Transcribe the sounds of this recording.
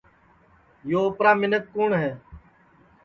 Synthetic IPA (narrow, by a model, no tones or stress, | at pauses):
joːʊpɾaːmɪnət̪̚kuːɳɦɛː